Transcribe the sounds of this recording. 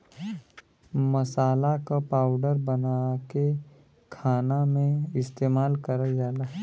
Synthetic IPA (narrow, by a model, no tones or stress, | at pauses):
məsaːlakapaːʊɖəɾbənake | kʰaːnamẽɪst̪eːmaːlkəɾəd͡ʒaːlaː